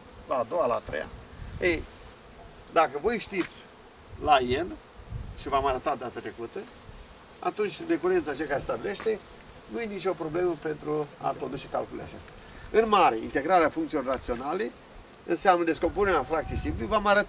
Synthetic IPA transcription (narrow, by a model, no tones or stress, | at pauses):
laːd̪oala̰t̪ɾḛja̰ej | d̪akəvo̞jʃt̪it̪sʲ | lajen | ʃivamaɾət̪atd̪at̪ət̪ɾe̞kut̪ə | a̰t̪unt͡ʃʲne̞kuɾent̪sat͡ʃekaɾest̪abile̞ʃt̪e̞ | nujenit͡ʃʲo̞pɾo̞ble̞məpe̞nt̪ɾua̰kod̪ut͡ʃe̥ka̰lkulḛa̰t͡ʃest̪ʲa | ɨnmaɾe̞ḭnt̪e̞ɡɾaɾeafuŋkt̪ilorːat̪sio̞nale̞ | ɨ̰nseamnəd̪e̞sko̞mpuneɾeafɾak̚t̪sijsimpluvamaɾət̪a